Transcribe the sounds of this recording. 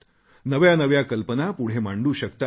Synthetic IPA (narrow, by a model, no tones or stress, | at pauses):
nəʋjanəʋjakəlpənapuɽ̤emaɳɖuːɕəkt̪a